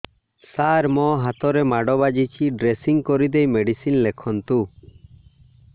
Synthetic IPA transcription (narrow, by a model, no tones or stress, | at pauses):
saɾmɔɦat̪ɔɾɛmaɖɔbad͡ʒit͡ʃʰiɖɾesiŋkɔɾid̪ɛjmeɖisinlɛkʰɔnt̪u